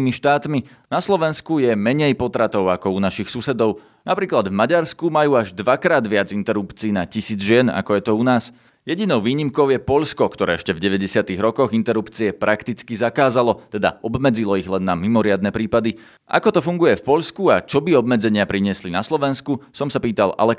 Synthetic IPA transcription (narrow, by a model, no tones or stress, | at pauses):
miʃt̪aːt̪mi | naslɔʋɛnskujɛmɛɲɛjpɔt̪ɾat̪ɔʊakɔunaʃixsusɛd̪ɔʊ | napɾiːklad̪vmaɟaɾskumajuːaʒd̪ʋakɾaːd̪ʋɪad͡zint̪ɛɾupt͡siːnacisiːd͡zʒɪɛna̰kɔjɛt̪ɔunaːs | jɛɟinɔʊʋiːɲimkɔʊjɛpɔʎskɔkt̪ɔɾɛːɛʃcɛvɟɛʋɛɟɛsɪat̪iɣɾɔkɔɣint̪ɛɾupt͡siɛpɾʔakt̪it͡skizakaːzalɔt̪ɛd̪a̰ɔbmɛd͡zilɔiɣlɛnːamimɔɾɪad̪nɛpɾiːpad̪i | ʔa̰kɔt̪ɔfuŋɡujɛfpɔʎskuat͡ʃɔbiɔbmɛd͡zɛɲɪapɾiɲɪɛslinaslɔʋɛnskusɔmsapiːt̪ala̰lɛ